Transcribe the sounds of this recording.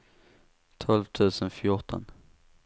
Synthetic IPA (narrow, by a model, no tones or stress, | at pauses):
t̪ʰɔlvt̪ʰʉ̟ːsənfjʊʈʰɔ̰n